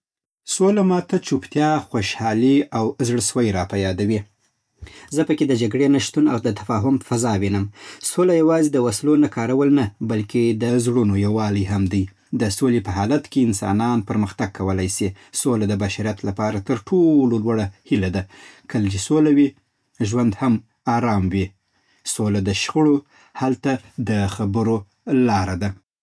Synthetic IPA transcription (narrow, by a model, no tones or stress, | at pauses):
solamɑt̪at͡ʃupt̪jɑxoʃhɑliawzɽswajɾɑpajɑd̪awi | zəpəked̪əd͡ʒaɡɽenaʃt̪unawd̪ət̪ḁfɑɦʊmfazɑwinəmsolajawɑzed̪əwaslonakʰɑɾawəlnabalkʰed̪əzɽunojawɑliɦamd̪əj | d̪əsolepəɦɑlat̪keɪnsɑ̰nɑnpəɾməxt̪aɡ̚kʰːawəlajsi | solad̪əbaʃaɾijat̪lapɑɾat̪əɾʈʰololwaɽahilad̪akʰəld͡ʒisolawi | ʒwand̪ham | ɑɾɑmwi | solad̪əʃxəɽo | halt̪ad̪əxabəɾo | lɑɾad̪a